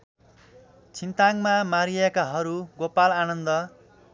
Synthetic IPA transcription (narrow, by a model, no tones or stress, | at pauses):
t͡sʰint̪aŋmamaɾijekaɦʌɾuɡopalanʌnd̪ʌ